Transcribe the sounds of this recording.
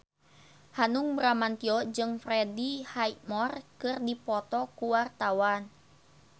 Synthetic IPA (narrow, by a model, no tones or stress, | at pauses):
hanuŋbɾamant̪iɔd͡ʒɨŋfrɛdihajmɔrkɨrdipɔt̪ɔkuwart̪awan